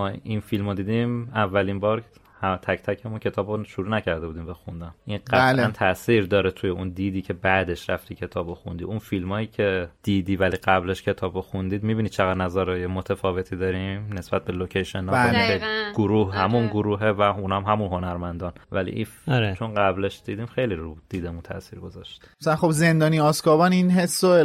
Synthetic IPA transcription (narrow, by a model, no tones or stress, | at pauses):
ɒinfilmod̪iːd̪imævːælinbɒːɾ | hæt̪ʰæct̪ʰæcʰemuncʰe̞t̪ʰɒːboʃuɾuːnæcʰæɾd̪e̞bud̪iːmvexund̪ænʔinɢæænt̪ʰæʔsiːɾd̪ɒːɾet̪ʰujeʔund̪iːd̪iːcʰe̞bæd̪e̞ʃɾæft̪iːcʰe̞t̪ʰɒːboxund̪ḭunfilmɒːiːcʰe̞d̪̥iːd̪iːvæliɡæbleʃcʰe̞t̪ʰɒːboxund̪iːd̪mibiːnid̪̥̚t͡ʃʰeɣæd̪næzæɾɒːjemot̪ʰefɒːve̞t̪ʰid̪ɒɾimnesb̥æt̪̚be̞locʰeʃenɒieɡ̥oɾuːhhæmunɡoɾuːɦevæunhæmɦæmunɦo̞næɾmænd̪ɒːnvælḭʔiɾet͡ʃʰonɢæbleʃd̪̥iːd̪iːmxejliɾud̪̥iːd̪emunt̪ʰæ̰siːɾɡo̞zɒʃt̪i̥asælanχobze̞nd̪ɒːniɒskɒːbɒːninɦesːo